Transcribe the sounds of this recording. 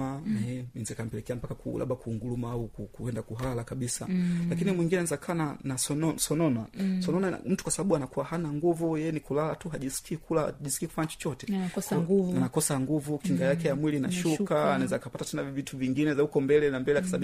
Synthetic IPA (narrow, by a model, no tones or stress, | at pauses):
aɛminzɛkam̩pɛlɛkɛam̩pakakṵla̰ɓakuːŋɡulumaaukukuɛndakuɦalakaɓisa̰lakinimwiŋɡinanaɛzakʰaananasɔnɔsɔnɔnasɔnɔna̰m̩tu̥kwasaɓaɓuanakuwahanaŋɡuvujɛjɛnikulalatuɦaʄiskiːkulaʄiskiːku̥faɲat͡ʃɔ̥t͡ʃɔtɛ̥ɡanakɔsaŋɡuvukiŋɡajakɛjamwiliːnaʃukaːnaɛzakapatatɛnavituviŋɡinɛzahukɔmbɛlɛnambɛlɛkasaai